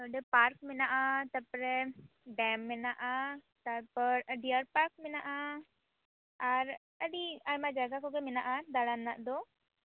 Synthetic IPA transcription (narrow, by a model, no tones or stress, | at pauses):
əɖepaɾkminaʔat̪əɾpəɾeɖɛmːinaʔa | t̪aɾpəɾəɖiaɾpaɾk̚minaʔa | aɾ | əɽiaɾmad͡ʒaɡakokeminaʔad̪aɽanːaʔd̪o